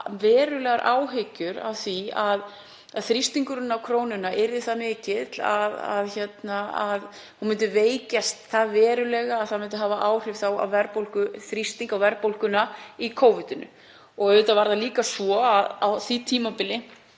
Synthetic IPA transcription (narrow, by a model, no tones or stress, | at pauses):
vɛːɾʏlɛɣaɾʔaːwɦɪcʏɾa̰wθiað | aðθɾist̪iŋkʏɾʏnːawkʰɾoːwnʏnaʔɪɾðɪθaðmɪːcɪt̪l̥a̰ða̰ðçɛt̪naað | hunmʏnt̪ʏveːjcast̪θaðvɛːɾʏlɛɣaːðθaðmʏnt̪ʏɦaːvaʔaːwr̥ɪv̥θawa̰wvɛɾpowl̥kʏθɾist̪iŋkawvɛɾpowlkʏnaikʰoːwvʏt̪ʏnʏ̰ | ɔɣœɾðʏt̪avaɾðaliːkasɔaðawθit̪ʰiːmapɪlɪ